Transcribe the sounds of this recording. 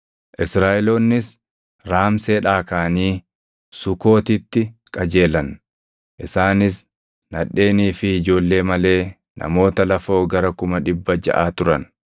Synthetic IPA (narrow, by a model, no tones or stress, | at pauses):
ʔɪsɾaːʔɛloːnːɪs | ɾaːmse̞ːᶑaːkaːniː | sʊko̞ːt̪ɪt̪ːɪkʼɐd͡ʒe̞ːlɐn | ʔɪsaːnɪs | nɐᶑːe̞ːniːfɪːd͡ʒo̞ːlːe̞ːmɐle̞ː | nʔɐ̰mo̞ːt̪ɐlɐfo̞ːɡɐɾɐkʊmɐᶑɪbːɐd͡ʒɐ̰ʔaːt̪ʊɾɐn